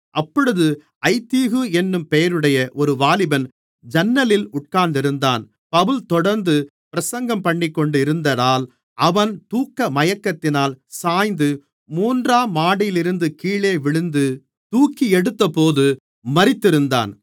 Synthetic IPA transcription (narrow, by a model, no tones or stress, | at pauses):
ʔɐpːɔɽɯðɯ | ʔɐɪt̪ːiːɣɯɛnːɯmpɛjɐɾɯɽɐjɐʔɔɾɯʋaːlɪbɐn | d͡ʒɐnːɐlɪlʊʈ̚kaːɾnd̪ɪɾɯnd̪a̰ːn | pɐʋɯlt̪ɔɽɐɾnd̪ɯ | pɪɾɐsɐŋɡɐmpɐɳːɪkːɔɳɖɪɾɯnd̪ɐðaːl | ɐʋɐnt̪uːkːɐmɐjɐkːɐt̪ːɪnaːlsaːjnd̪ɯ | muːndraːmaːɽɪjlɪɾɯnd̪ɯkiːɭeːʋɪɭɯnd̪ɯ | t̪uːkːiɛɽɯt̪ːɐpoːðɯ | mɐɾɪt̪ːɪɾɯnd̪a̰ːn